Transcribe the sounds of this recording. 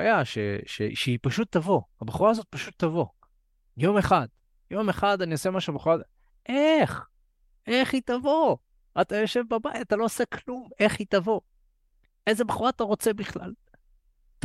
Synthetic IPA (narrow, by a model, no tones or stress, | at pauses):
ajaʃḛʃḛʃeipaʃut̪ːavo̞habeχuʁaːzo̞t̪̚paʃut̪ːavo̞ | jo̞meχad̪̥ | jo̞me̞χad̪aniosemaʃubeχuʁa | ʔeχ | eχitavo̞ | at̪ajo̞ʃe̞vbabaitat̪alo̞oseklume̞χit̪avo̞ | ʔejzebeχuʁaːt̪aʁo̞t͡se̞biχla̰l | t